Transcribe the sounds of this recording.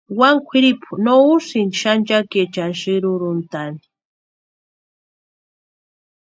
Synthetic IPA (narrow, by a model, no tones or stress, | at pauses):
waŋkʷʰiɾipʰunousinʃant͡ʃaket͡ʃanʃiɾuɾunt̪ani̥